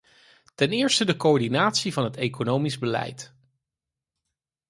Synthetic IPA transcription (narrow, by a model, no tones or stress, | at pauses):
tɛnɪːɹstədəkoɔɹdinaːtsivɑnɦətejkonowmizbəlɛ̰jt